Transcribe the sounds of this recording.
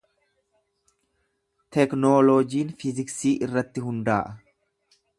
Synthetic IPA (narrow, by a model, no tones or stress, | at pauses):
t̪ɛknoːlod͡ʒiːnfɪzɪksiːʔɪrːɐt̪ːɪɦʊnd̪aːʔɐ